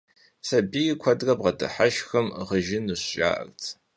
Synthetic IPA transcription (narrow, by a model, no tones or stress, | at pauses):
sɐbijkʷʰɐdrɐbʁɐdɨ̰ħaʃxɨmʁəʒɪnɨɕɕʼa̰ːʔɐ̰rt͡sʰ